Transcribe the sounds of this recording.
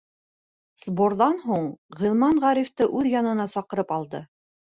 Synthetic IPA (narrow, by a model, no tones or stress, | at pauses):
z̥borðɑnɦuɴʁilˠmɑɴʁɑɾift̪ɤʔʉðjɑnɤ̆nɑsɑqɤ̆ɾɤpɑlˠd̪ɤ